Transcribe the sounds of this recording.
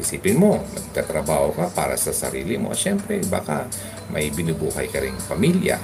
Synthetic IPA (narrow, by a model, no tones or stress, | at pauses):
ɪsiːpɪnmo̞nɐɡ̚t̪aːt̪ɾɐbaːhokapa̰ːɾɐ̰sɐsɐ̰ɾḭːlɪmo̰ɐ̰ʃɛmpɾɛba̰ka | mʔɐjbɪnubuːhɐjkɐɾɪŋpɐmilja̰